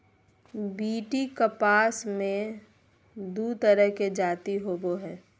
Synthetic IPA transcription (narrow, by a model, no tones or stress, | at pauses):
biːʈikəpaːsmẽ | d̪ut̪əɾəɦked͡ʒaːt̪iɦoboɦɛː